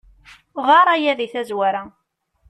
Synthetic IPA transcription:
ʁɑɾˤæjæðiθæzwæɾæ

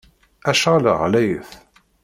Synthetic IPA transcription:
æʃʁalə̰ʁlæjəθ

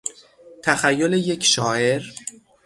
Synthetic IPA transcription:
t̪ʰæxæjːoleje̞cʰʃɒːʔe̞ɾ

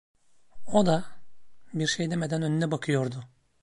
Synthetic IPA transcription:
o̞d̪a | biɾʃejd̪e̞me̞d̪ænø̞nynɛbakʰɯjo̞ɾd̪ʊ

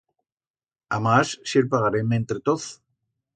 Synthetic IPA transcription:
amassjeɾpaɣaɾemẽnt̪ɾet̪oθ

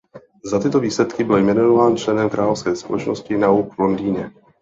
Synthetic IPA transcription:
zat̪ɪt̪o̞viːslɛt̪kɪbɪljmɛnonovaːnt͡ʃlɛnɛmkɾaːlofskɛːspolɛt͡ʃnoscɪnauːkvlo̞ndiːɲɛ

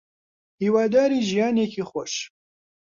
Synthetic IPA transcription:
hiːwaːd̪aːɾiːʒijaːneːkʰiːxʷɔʃ

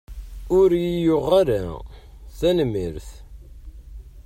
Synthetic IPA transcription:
ʊɾjijʊʁaɾa | θænmːiɾθ

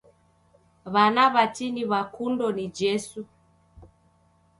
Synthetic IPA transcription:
βanaβatiniβakundɔnid͡ʒɛsu

